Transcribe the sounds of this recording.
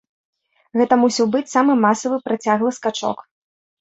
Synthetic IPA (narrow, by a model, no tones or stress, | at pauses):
ɣɛt̪ɐmusʲiwbɨt͡sʲsamɨmasɐvɨpɾat͡sʲaɣlˠɐskat͡ʂɔ̰k